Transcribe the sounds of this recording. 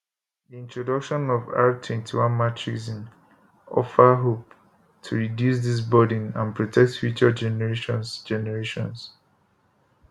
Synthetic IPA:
diĩntɹɔdʌkʃɔ̃nɔva̰tʰwɛ̃ntʰiwãnmatʰɹizĩn | ɔ̰fəɦop̚ | tʰuɹidjus̬ðis̬bɔdĩnã̰npʰɹɔtʰɛk̚tfjut͡ʃəd͡ʒɛnɛɹeʃɔ̃nsd͡ʒɛnɛɹeʃɔ̃ns

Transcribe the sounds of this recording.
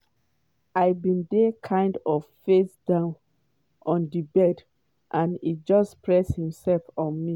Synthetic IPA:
aɪbĩndɛkʰãɪ̃ndɔvfesdãʊ̃n | ʔɔ̃ndibɛd | ʔãnḭt̚d͡ʒɔspɹɛshĩmsɛlfɔ̃nmi

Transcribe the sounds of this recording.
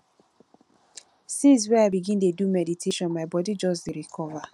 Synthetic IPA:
sĩns̬wɛaɪbiɡɪ̃ndedumeditʰeʃɔ̃nmaɪbɔdid͡ʒɔsdɾikʰɔva

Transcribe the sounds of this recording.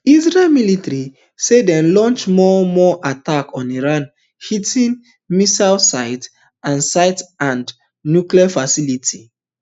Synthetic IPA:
izɹelmilitaɹi | sedɛ̃nlɔ̃nt͡ʃmɔmɔʔatakɔ̃niɹãn | hitĩn | misalsaɪt | ãnsaɪtãnd | njukliafasilitʰi

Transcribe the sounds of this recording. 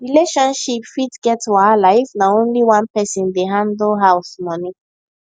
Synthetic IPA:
ɹileʃɔ̃nʃipfitɡ̥ɛtuaalaɪfnaõnliwãnpɛsĩndeɦãndl̩ˠɦaʊsmɔni

